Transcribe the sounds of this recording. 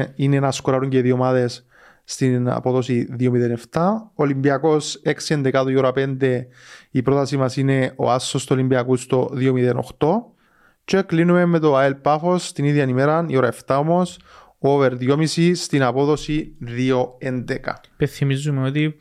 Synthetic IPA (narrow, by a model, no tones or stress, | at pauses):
inenaskoɾaɾuɲɟeðiomaðe̞sː | t̪ina̰po̞ðosiðiomiðeneft̪aolimbiɐko̞seksiend̪ekat̪oioɾapend̪e̞ipɾot̪ɐsimɐsine̞o̰asːost̪olimbiɐkust̪oðiomiðeno̰xt̪o̞ | t͡ʃoeklinumemːet̪oaelpafo̞st̪iniðjɐnimeɾanḭoɾɐeft̪aomo̞s | oveɾðjomisist̪inapo̞ðosiðio̞end̪eka̰ | penθimizːumeot̪i